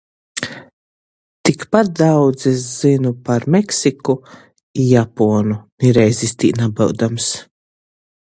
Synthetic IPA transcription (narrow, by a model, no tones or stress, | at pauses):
t̪ikpat̪̚d̪awd̪zes̬zinupaɾmɛksiku | ijapɔːnuniɾɛjzist̪ḭːnabɨwd̪ams